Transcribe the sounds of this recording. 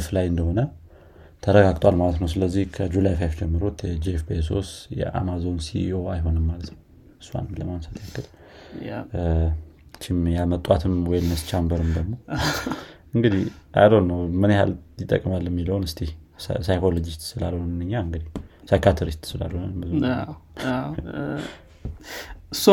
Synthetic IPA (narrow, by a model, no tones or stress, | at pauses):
flajɨnd̪əho̞nə | t̪ʰəɾəɡaɡt̪ʼwalmalət̪nəwsɨləzːihkʰəd͡ʒulajfafd͡ʒɛmːɨɾot̪jɛd͡ʒefbes̬o̞̰sjɛ̰ʔa̰mazo̞nsiʔio̞ajɦo̞nɨmːalət̪nəw | ɨsːua̰nmləmamsat̪ʰjakːɨl | t͡ʃːɪmjalmət̪ʼwat̪ʰɨmwɔjmːəst͡ʃambəɾɨmd̪əɡmo̞ | ʔɨŋɡɨd̪ihʔa̰dənːəwmɨneha̰ljɪt̪ʼːə̰kʼːmalːɛmːiləwnɨst̪ʰe | sajkʰolo̞d͡ʒist̪sɨla̰loɨnɨɲːaɨŋɡɨd̪ihsajkʰat̪ʰəɾist̪sɨla̰lonmbəzun | s